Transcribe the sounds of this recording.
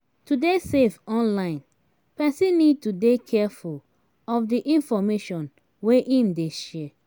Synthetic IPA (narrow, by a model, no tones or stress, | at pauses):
tudesevɔ̃nlãɪ̃n | pɛsĩnid̚tudekʰɛful | ɔfdiʔĩnfɔmeʃɔ̃n | weʔĩmdeʃɛ